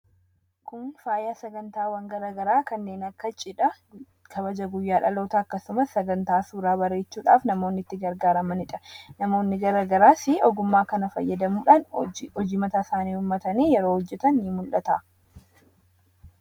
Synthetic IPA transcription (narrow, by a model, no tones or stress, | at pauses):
kʊnfaːjaːsɐɡɐnt̪aːwɐŋɡɐɾaːɡɐɾaːkɐnːe̞ːnɐkːɐt͡ʃʼɪᶑɐ | kʰɐbɐd͡ʒɐɡʊjːaːᶑɐlo̞ːt̪ɐːkːɐsʊmɐsɐɡɐnt̪aːsuːɾaːbɐɾe̞ːt͡ʃːuːᶑa̰ːfnɐmoːnːɪt̪ːɪɡɐɾɡaːɾɐmɐnɪᶑɐnɐmo̞ːnːɪɡɐɾaɡɐɾaːsɪɔɡʊmːaːkɐnɐfɐ̰jːɐd̪ɐmuːᶑaːnɔd͡ʒiːmɐt̪aːsaːniːhʊmːɐt̪ɐniːjɛɾoːhɔd͡ʒːɛt̪ɐnːiːmʊlʔɐt̪ɐ